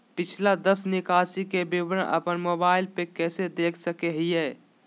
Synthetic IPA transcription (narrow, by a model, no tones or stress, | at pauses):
pɪt͡ʃʰlad̪əsnɪkaːsikebɪʋɾə̃ʔə̰pənmoːbaːɪlpekɛːsed̪eːkʰsəkeɦiɦɛː